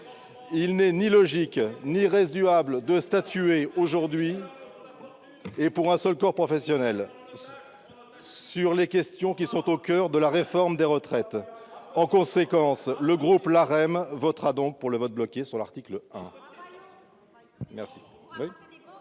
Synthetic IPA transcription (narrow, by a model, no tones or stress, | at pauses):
ilnɛnilɔʒikniʁezyabləd̪əst̪at̪yeoʒuʁd̪ɥi | epuʁɛ̃sœlkɔʁpχɔfɛsjɔnɛl | syʁlekʲɛst̪jɔ̃kʲisɔ̃t̪okʲœʁd̪əlaʁefɔʁmd̪eʁət̪χɛt̪ɑ̃kɔ̃sekɑ̃sləɡʁuplaʁɛmvɔt̪χad̪ɔ̃k̚puʁləvɔt̪̚blɔkʲesyʁla̰ʁt̪ikləɛ̰̃ | mɛʁsi̥ | wi